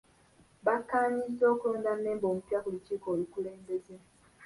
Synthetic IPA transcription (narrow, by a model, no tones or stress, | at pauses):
βakːaːɲiso̞ːkuloːndanːe̞ːmboːmupjakulut͡ʃiːkoːlikuleːmbe̞ze